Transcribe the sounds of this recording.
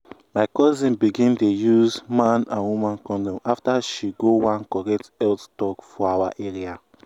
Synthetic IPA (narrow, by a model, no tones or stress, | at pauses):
maɪkɔzĩnbiɡĩntojuzmãnãnwumãnkɔ̃ndɔ̃maftaʃiɡowãnkɔɹɛtɛlttɔkfɔawaʔeɹia